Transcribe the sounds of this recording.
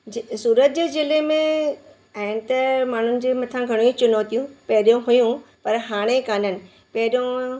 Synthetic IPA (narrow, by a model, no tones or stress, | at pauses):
suːɾət̪̚d͡ʑeːzɪlemẽ | aːɦɪnɪ̆t̪ɐmaːn̤ʊnɪ̆d͡ʑeːmɐt̪ʰãɡʱɐɽ̃ut͡ɕʊnot̪ijũpɐɦɪɗjõɦujũpɐɾɦaːɽ̃ekaːnənɪ̆ | pɐɦɪɗjõ